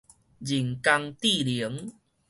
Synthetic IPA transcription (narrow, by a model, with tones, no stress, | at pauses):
d͡ʑi˨˩ŋka˧ŋt̪i˥˨li˨˦ŋ